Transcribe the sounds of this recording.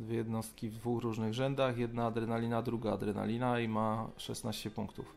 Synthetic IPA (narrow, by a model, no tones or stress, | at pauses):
d̪vʲjejɛd̪nɔst̪kʲivd̪vuxɾuʐnɘɣʐɛnd̪axjɛd̪naːd̪ɾɛnalʲinad̪ɾuɡaːd̪ɾɛna̰lʲinaimaʂɛ̰snaɕt͡ɕɛpuŋkt̪uf